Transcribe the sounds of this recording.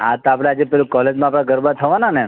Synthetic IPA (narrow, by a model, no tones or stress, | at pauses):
at̪apɽ̃ãad͡ʒepɛlukɔled͡ʒmãːpɽ̃aɡʱəɾbat̪ʰəʋanane